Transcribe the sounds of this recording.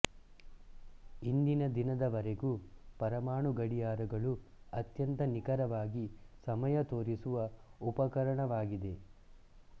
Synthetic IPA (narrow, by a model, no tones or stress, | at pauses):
ind̪inɐd̪inɐd̪ɐʋɐɾeɡupɐɾɐmaːɳuɡɐɽijaːɾɐɡɐɭu | ɐt̪jɐnt̪ɐnikɐɾɐʋaːɡisɐmɐjɐt̪oːɾisuʋɐupɐkɐɾɐɳɐʋaːɡid̪e̞